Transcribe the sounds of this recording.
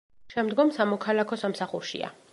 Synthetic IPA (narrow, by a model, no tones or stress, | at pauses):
ʃɛmd̪ɡɔmsamɔkʰalˠakʰɔsamsaχuɾʃḭa̰